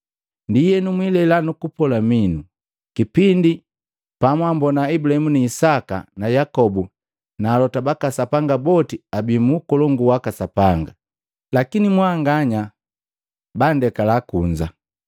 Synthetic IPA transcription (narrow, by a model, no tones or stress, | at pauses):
ndijɛnumwilɛlanukupɔlaminu | kipindi | pamwambɔnaibulahɛmuniːsaka̰najakɔbu | naːlɔtabakasapaŋɡabɔtiabimuːkɔlɔŋɡuwakasapaŋɡa | lakinimwaŋɡaɲa | bandɛkalakuɲd͡ʒa